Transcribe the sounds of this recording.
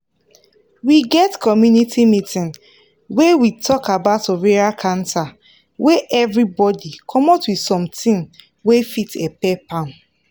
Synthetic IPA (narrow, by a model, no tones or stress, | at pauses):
wiɡɛtkʰɔmjunitʰimitĩn | wewitʰɔkabaʊtoɹeɹalkʰãnta | weʔɛvɹibɔdikʰɔmɔtwidsɔ̃mtĩŋ | wefitepɛpãn